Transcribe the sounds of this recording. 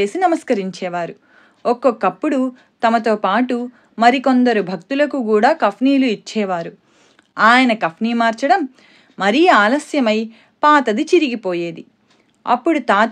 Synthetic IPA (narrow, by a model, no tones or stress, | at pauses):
e̞ːsinɐmɐskɐɾiɲt͡ʃɛːʋaːɾu | okːokːɐpːuɽu | t̪ɐmɐt̪o̞ːpaːʈu | mɐɾiko̞nd̪ɐɾubʱɐkt̪ulɐkuk̬uːɽaːkɐpʰniːluit͡ʃːɛːʋaːɾu | aːjɐnɐkɐpʰniːmaːɾt͡ʃɐɽɐmː | ɐɾiːaːlɐsjɐmɐj | paːt̪ɐd̪it͡ʃiɾiɡipo̞ːje̞ːd̪i | ɐ̰pːuɽut̪aː